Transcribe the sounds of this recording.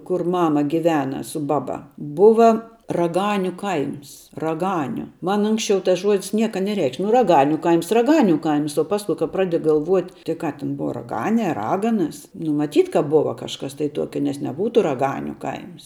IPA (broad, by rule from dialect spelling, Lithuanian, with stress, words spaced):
kʊr ˈmɑːmɐ ɡʲɪˈʋʲæːnɐ sʊ ˈbɑːˌbɐ ˈbʊʋɐ rɐˈɡɑːnʲʊ ˈkɐɪms rɐˈɡɑːnʲʊ ˈmɐn ˈʊŋksʲt͡ʃʲɛʊ tɐs ˈʒuɔdʲɪs ˈnʲiɛkɐ nʲɛˈrʲɛɪkʃʲ nʊ rɐˈɡɑːnʲʊ ˈkɐɪms rɐˈɡɑːnʲʊ ˈkɐɪms oː ˈpɑːskʊ kɐp ˈprɑːdʲɪ ɡɐlˠˈʋuɔtʲ tʲɪk ˈkɑː tʲɪn ˈbʊʋɐ rɐˈɡɑːnʲeː ɐ ˈrɑːɡɐnɐs nʊ mɐˈtʲiːt kɐ ˈbʊʋɐ kɐʃˈkɐs tɐɪ ˈtuɔkʲɛ nʲɛs nʲɛˈbuːtʊ rɐˈɡɑːnʲʊ ˈkɐɪms